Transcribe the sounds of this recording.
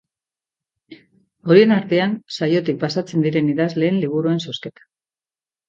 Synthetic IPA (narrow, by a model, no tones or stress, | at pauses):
o̞ɾie̞naɾt̪e̞ansajo̞t̪ik̚pasat͡se̞nd̪iɾe̞niðazle̞ːnliβ̞uɾue̞nso̞ske̞t̪ḁ